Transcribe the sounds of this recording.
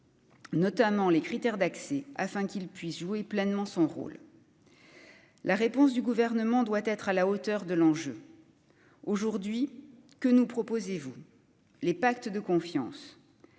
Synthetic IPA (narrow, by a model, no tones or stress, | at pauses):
nɔt̪amɑ̃lekχit̪ɛʁd̪aksɛafɛ̃kilpɥisʒueplɛnmɑ̃sɔ̃ʁo̰l | laʁepɔ̃sd̪yɡuvɛʁnəmɑ̃d̪wat̪ɛt̪χalaot̪œʁd̪əlɑ̃ʒø̰ | oʒuʁd̪ɥi | kənupχɔpozevu | lepak̚t̪d̪əkɔ̃fjɑ̰̃s